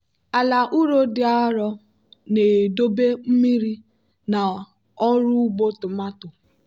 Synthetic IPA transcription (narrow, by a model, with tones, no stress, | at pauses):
a˨la˨ʔu˦ɾo˦dɪ˨˦a˦ɾɔ˦ | ne˨do˦be˦m̩˦mi˦ɾi˦ | na˨ | ɔ˦ɾʊ˦ɡ͡bo˦tʊ˨ma˦tʊ˨